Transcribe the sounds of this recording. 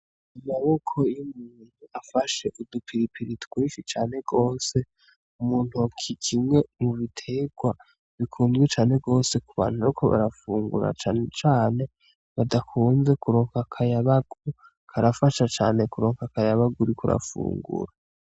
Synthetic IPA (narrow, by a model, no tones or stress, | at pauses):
imaβo̞kʰo̞jumuːn̥huafaʃe̞ʔudupʰiɾipʰiɾitwiːʃit͡ʃaːne̞ɡo̞ːse̞ | umuːn̥huakʰikʰimŋe̞muβitʰe̞ɡ̥wa | βikʰuːnzɡwit͡ʃaːne̞ɡo̞ːse̞kuβa̰naukʰoβa̰ɾafuːŋɡṵɾa̰at͡ʃaːne̞ | βadakʰuːnze̞kuɾo̞ːŋkakʰajaβaɡu | kʰaɾafaʃat͡ʃa̰ːne̞kuɾo̞ːŋkakajaβaɡuɾikʰoɾa̰fṵːŋɡṵɾa